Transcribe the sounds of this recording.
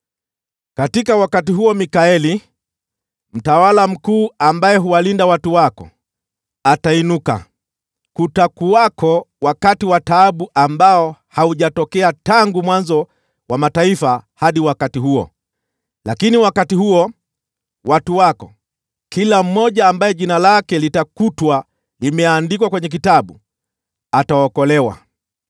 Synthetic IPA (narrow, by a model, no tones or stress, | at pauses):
katikawakatiɦuɔmikaɛli | m̩tawalam̩kuːambajɛɦuwalindawatuwakɔ̰ | atainuka̰ | kutakuwakɔwakatiwataːɓuʔambaɔhauʄatɔkɛataŋɡumwanzɔ | wamataifahaɗiwakatiɦuɔ̰ | lakiniwakatihuɔ | watuwakɔ | kilam̩mːɔʄaːmbaɛʄinalakɛlitakutwa | limɛandikwakwɛɲɛk̬itaɓu | ataɔkɔlɛwa̰